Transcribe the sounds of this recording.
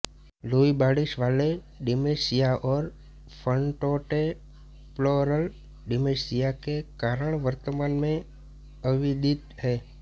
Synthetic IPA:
loːibaːɽɪʃʋaːle | ɖɪmesijaʔɔːɾ | pʰəɳʈɔːʈe | ploɾəl | ɖɪmesijakekaːɾəɳ̃ʋəɾt̪əmaːnmẽ | əʋid̪ɪt̪ɦɛː

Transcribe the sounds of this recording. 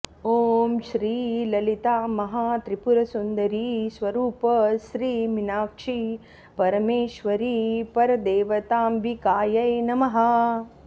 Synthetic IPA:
oːmʃɾiːlɐlit̪aːmɐɦaːt̪ɾipuɾɐsund̪ɐɾisʋɐɾuːpɐʃɾiːminaːkʂi | pɐɾɐmeːʃʋɐɾiːpɐɾɐd̪eːʋɐt̪aːmbikaːjɐjnɐmɐɦɐ

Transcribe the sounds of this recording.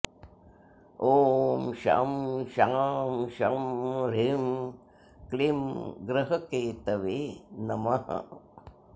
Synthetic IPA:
oːmʃa̰ːmʃaːmʃaːmɾem | klemɡɾɐɦɐkeːt̪ɐʋeːnɐmaɦɐ̰

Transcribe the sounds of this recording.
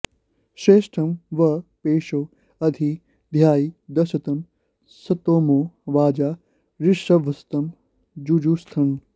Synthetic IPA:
ʃeːʃʈʰɐmʋɐpeːʃoː | ɐd̪ʱiː | d̪ʱjaːiːd̪ɐsɐt̪ɐm | sɐt̪oːmoːʋaːd͡ʒaː | ɾɪʃɐʋɐst̪ɐm | d͡ʒuːd͡ʒuːst̪ʰɐn

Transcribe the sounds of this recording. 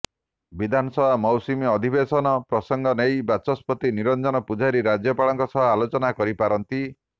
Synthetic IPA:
bid̪ʱanɔsɔbʱamɔwsimiɔd̪ʱibesɔnɔpɾɔsɔŋɡʱɔnejbat͡ʃɔspɔt̪iniɾɔnd͡ʒɔnɔpud͡ʒaɾiɾad͡ʒjɔpaɭɔŋkɔsɔɦɔalot͡ʃɔnakɔɾipaɾɔnt̪i

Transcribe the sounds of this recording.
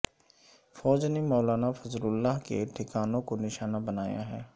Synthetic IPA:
fɔːd͡ʒnemɔːlaːnafɐzlʊlːaɦkḛʈ̪ʰɪkaːnõkonɪʃaːnabɐnaːja̰ɦɛː

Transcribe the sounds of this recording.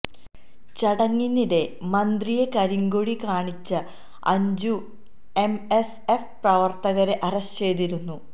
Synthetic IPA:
t͡ɕɐɽɐŋːiniɾe̞mɐnd̪rijekɐɾiŋɡoɻikaːɳit͡ɕːɨ | ɐ̰ɲd͡ʑu | emes | efprɐʋɐrt̪ɐɣɐɾeʔɐɾɐst͡ɕe̞jt̪iɾunːu

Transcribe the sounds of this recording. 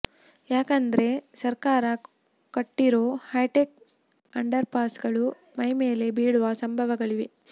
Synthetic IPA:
jaːkɐnd̪ɐɾe̞sɐɾkaːɾɐ | kɐʈːiɾoːhɐjʈek̚ | ɐɳɖɐɾpaːsɡɐɭu | mɐjme̞ːle̞biːɽuʋɐsɐmbʱɐʋɐɡɐɭiʋe

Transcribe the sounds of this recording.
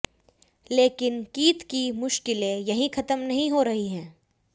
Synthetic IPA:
leːkɪnkiːt̪kimʊʃkɪlẽjɐɦĩxʰɐt̪əmnɐɦĩɦoɾɐɦiɦɛ̃ː

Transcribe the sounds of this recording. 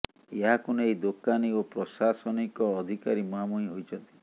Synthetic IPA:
eɦakɔnɔejd̪okaniopɾɔsasɔnikɔːd̪ʱikaɾimɔamuɦĩɦojt͡ʃʰɔnt̪i̥

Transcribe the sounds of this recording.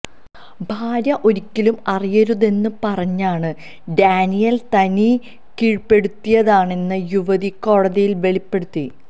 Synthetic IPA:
bʱaːɾjɐʔo̞ɾikʲːilumɐrijɐɾuðe̞nːɨpɐrɐɲːaːɳɨ | ɖaːnijɐlt̪ɐni | kiːɻpe̞ɽut̪ːijɐðaːɳe̞nːɨjuʋɐðiko̞ːɻɐðijilʋe̞ɭipːe̞ɽut̪ːi

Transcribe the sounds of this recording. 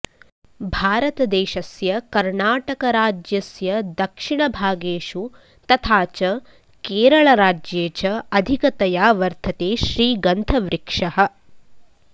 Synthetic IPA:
bʱaːɾɐt̪ɐd̪eːʃɐsjɐkɐɾɳaːʈɐkɐɾaːd͡ʒjɐsjɐd̪ɐkʂiɳɐbʱaːɡeːʃu | t̪ɐt̪ʰaːt͡ʃɐ | keːɾɐɭɐɾaːd͡ʒjeːt͡ʃɐɐd̪ʱikɐt̪ɐjaːʋɐɾt̪ʰɐt̪eːʃɾiːɡɐnt̪ʰɐʋɾikʂɐɦɐ̆

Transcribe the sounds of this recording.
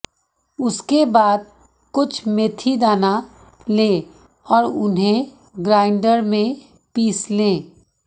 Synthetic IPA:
ʊskebaːd̪̚ | kʊt͡ʃʰmeːt̪ʰid̪aːna | lẽː | ɔːɾʊ̰nɦẽ | ɡɾaːɪɳɖəɾmẽ | piːslẽː

